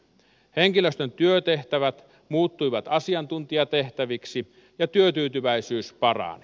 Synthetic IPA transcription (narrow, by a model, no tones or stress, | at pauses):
heŋkiløst̪ønt̪yøt̪eht̪æʋæt̪ | muːt̪ːujʋɑt̪ɑsiɑnt̪unt̪iɑt̪e̞ht̪æʋiksi | jɑt̪yøt̪yːt̪yʋæisyːspɑrɑ̰ːn